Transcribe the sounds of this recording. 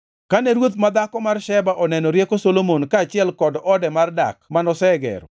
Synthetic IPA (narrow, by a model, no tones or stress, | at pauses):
kaneɾwot̪mad̪akɔmarʃɛbaʔɔnɛnɔɾjekosolomonkaːt͡ʃɪɛlkɔdɔdɛmarda̰kmanɔsɛɡɛ̰ɾɔ̰